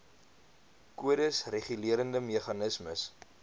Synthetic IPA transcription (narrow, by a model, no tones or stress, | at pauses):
kuədəsreχyliəɾəndəmeχɐnəsməs